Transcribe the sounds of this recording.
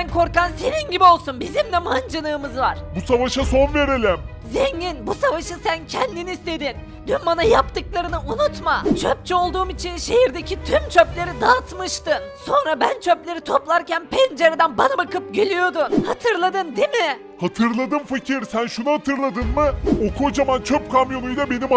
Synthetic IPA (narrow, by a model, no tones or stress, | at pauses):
sænkʰo̞ɾkanse̞ninɟibio̞lˠsunbizimd̪ɛmand͡ʒanɯːmɯzvaɾ̥busavaʃaso̞nve̞ɾelʲɛm | zeɲɟinbusavaʃɯsæncʰɛnd̪iniːst̪ʰe̞d̪in | d̪ynbanajapt̪ɯklˠaɾɯnɯʔunut̪mat͡ʃʰøp̚t͡ʃʰɛo̞lˠd̪uːmit͡ʃʰinʃe̞jiɾd̪e̞cʰit̪ʰymt͡ʃʰøplʲe̞ɾid̪aːt̪mɯʃt̪ɯnso̞nɾabænt͡ʃʰøplʲe̞ɾit̪ʰoplˠaɾcænpʰɛnd͡ʒeɾed̪ænbanabakɯp̚ɟelʲyjo̞d̪unhat̪ʰɯɾlˠad̪ɯnd̪emɪ | hat̪ʰɯɾlˠad̪ɯnfacʰiɾsænʃunuhat̪ʰɯɾlˠad̪ɯnmɯokʰod͡ʒamant͡ʃʰøp̚kʰamjo̞nujd̪abe̞nima